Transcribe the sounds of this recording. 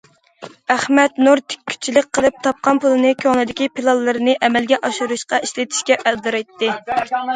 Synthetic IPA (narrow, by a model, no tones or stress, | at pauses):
æχmɛt̪nuɾt̪ʰɪ̥kʲʰːy̥t͡ʃʰːilɪk̚ʲqʰːəlˠɨp̚t̪ʰɑp̚qʰɑnpulˠɨnɨkʲʰøŋlˠɨd̪ɪkʲipʰilˠɑlˠːɨɾɨnɨʔɛmɛlɡʲɛʔɑʃuɾuʃqɑiʃlɪt̪ʰi̥ʃkʲɛʔæld̪ɨɾɑjt̪ʰːɨ